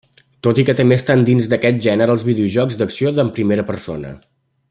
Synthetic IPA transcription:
t̪ot̪ikət̪əmbeəst̪and̪inzd̪əkɛt̪̚ʒɛnəɾəːlˠzβiðeuʒɔkzd̪əksioðəmpɾimeɾəpəɾso̰nə̰

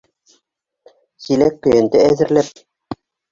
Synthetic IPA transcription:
silækːɵ̆jæ̆nd̪ɘæðɘ̆ɾlæp̚

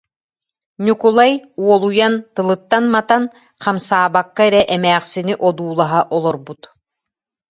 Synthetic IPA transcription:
ɲʲukulˠajuɔlˠujant̪ɯlˠɯt̪ːanmat̪an | qamsaːbakːaɛɾɛʔɛmɛːχsiniʔɔd̪uːlˠaɦaʔɔlˠɔɾbut̪

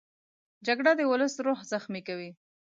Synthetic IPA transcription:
d͡ʒaɡɽad̪əwʊləsɾohzaxmikawi

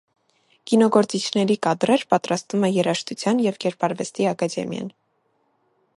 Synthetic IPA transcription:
kinɔɡɔɾt͡sit͡ʃʰnɛɾikɑd̪ɾɛɾpɑt̪ɾɑst̪vumɛjɛɾɑʃt̪ut͡sʰjɑnjɛvkɛɾpɑɾvɛst̪iɑkɑd̪ɛ̰mjɑ̰n

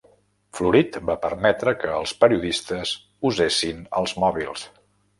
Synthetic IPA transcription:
fluɾit̪bapəɾmɛt̪ɾəkəːlˠspəɾiuðist̪əz | uzesinə̰lˠzmɔβilˠs

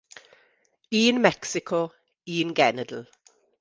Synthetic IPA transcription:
iːnmɛksɪkʰɔ | iːnɡɛnədl̩

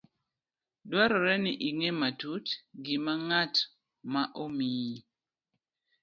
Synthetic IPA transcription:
dwaɾɔɾɛnɪʔiŋematutɡɪmaŋat | maʔomi

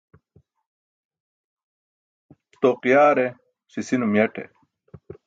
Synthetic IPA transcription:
t̪oqijaːɾe | ɕisinumjɐʈḛ

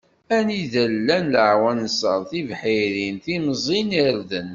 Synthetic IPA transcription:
æniðəlːænləʕwænsə̰ɾˤθivħiɾinθimzˤiniɾðən

